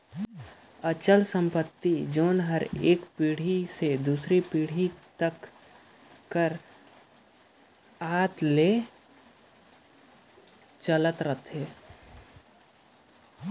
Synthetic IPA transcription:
ət͡ʃəlsə̃mpət̪ːid͡ʒoːnɦəɾeːkpiːɽ̤ised̪uːsɾipiːɽ̤it̪əkː | əɾ | aːt̪le | t͡ʃələt̪ɾət̪ʰɦeː

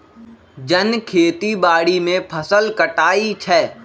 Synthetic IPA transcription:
d͡ʒənkʰeːt̪ibaːɽimẽpʰəsəlkəʈaːit͡ʃʰɛː

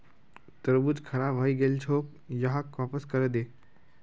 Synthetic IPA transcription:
t̪əɾbut̪kʰəɾabɦaiɡelt͡ʃʰoːk | jəɦakʋapəskəɾed̪eːk

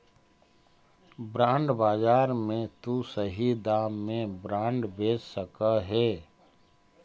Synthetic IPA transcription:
bɾãːɳɖbaːd͡ʒaːɾmẽt̪usəɦid̪aːmːẽbɾãːɳɖbeːd͡ʒsəkaɦɛː

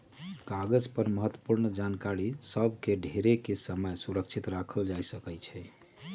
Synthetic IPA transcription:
kaɡəd͡ʒpəɾməɦət̪ːwə̥puɾnd͡ʒankaɾisəbʱkeɖʱeɾekesəməjsuɾək̚t͡ʃʰit̪ɾakʰəld͡ʒajsəkɛt͡ʃʰɛ

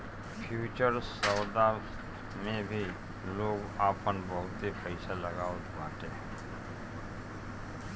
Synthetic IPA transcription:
pʰjuːt͡ʃəɾsɔːd̪a | mẽbʱi | loːɡaːpənbəɦʊt̪ɦipʰəɪsaləɡaːot̪maːʈ̪e

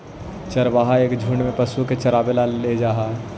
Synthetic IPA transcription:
t͡ʃɐɾʋaːɦaeːkd͡ʒʱuːɳmẽpɐsuket͡ʃɐɾaːbelaled͡ʒaːɦa

